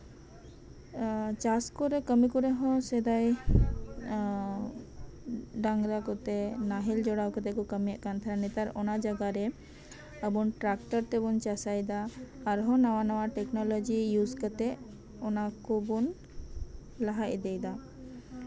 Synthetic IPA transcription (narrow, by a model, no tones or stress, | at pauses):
t͡ʃaskɔɾɛkəmikuɾɛɦɔ̃sɛd̪aj | ɖaŋɾakɔt̪ɛnaɦɛld͡ʒɔɽawkət̪ɛkukəmijaʔkant̪ʰaɾanɛt̪aɾɔnad͡ʒaɡaɾɛ | əbunʈɾakʈəɾt̪ɛbunt͡ʃasajd̪aːɾɦɔ̃nawanawaʈɛknɔlɔd͡ʒijuskət̪ɛ | ɔnakubun | laɦaʔd̪ɛjd̪a